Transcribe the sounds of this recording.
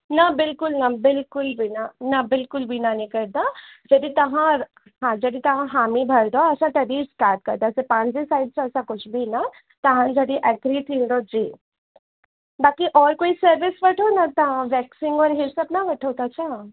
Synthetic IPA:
nɐbɪlkʊlnɐbɪlkʊlbinanɐbɪlkʊlbʱinanĩkɐɾd̪ad͡ʒɐd̪it̪ɐɦã | ɦãd͡ʒɐd̪it̪ɐɦãɦaːmibʱɐɾd̪oɐsãʈ̪ɐbisʈaːɾʈ̚kɐɾd̪asepãːɲd͡ʒisaːɪɖ̚t͡ʃʰɐsãkʊt͡ʃʰbʱina | t̪ɐɦãd͡ʒɐɽiʔɛɡɾit̪ʰĩːnd̪od͡ʒiː | baːkiʔɔːɾkoːisɐɾʋɪsʋɐʈʰonɐt̪ɐãʋɛːksĩŋɡɔːɾɦɪɾsɐpnaʋɐʈʰoːt̪at͡ʃʰã

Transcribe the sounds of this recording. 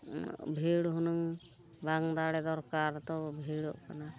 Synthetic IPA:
bʱiɽɦunɯŋ | baŋd̪aɽɛd̪ɔɾkaɾt̪ɔbʱiɽɔ̰ʔkana

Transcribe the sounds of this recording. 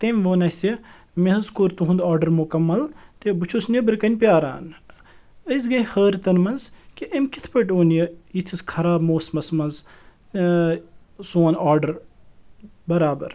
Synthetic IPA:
t̪emʲʋoːnɐsɐ | meɦɐzkoɾt̪uɦũnd̪aːɾɖɐɾmukɐmːɐlt̪ebɨt͡ʃʰusnʲɐbɨɾkɐnʲpʲjaːɾa̰ːn | əzɡɐhəːɾt̪ɐnmɐnzkiʔɐmʲkit̪ʰpɐʈʲoːnjɐit̪ʰiskʰɐɾaːbmoːsmɐsmɐnz | soːnaːɾɖəɾ | bɐɾaːbɐ̰ɾ

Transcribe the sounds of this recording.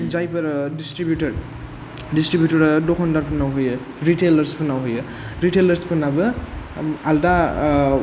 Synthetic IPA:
d͡zajpʌɾɖisʈɾibjuʈʌɾ | ɖisʈɾibjuʈʌɾdokʰɔnd̪aɾpənawɦojə | ɾiʈeləɾspʰənawɦojə | ɾiʈeləɾspənabɯ | alda

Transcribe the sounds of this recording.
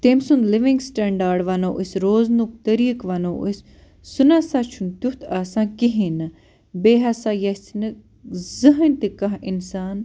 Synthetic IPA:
t̪emsunliʋĩŋɡsʈɐɳɖaːɾɖʋanoːʔisɾoːznuk̚t̪əɾiːkʋanoʔis | sunaːsaːt͡ʃʰunt̪ut̪ʰaːsãːkiɦĩnɨ | beːɦasaːjɐsnɨ | zɨɦənʲt̪ikɐɦinsaːn

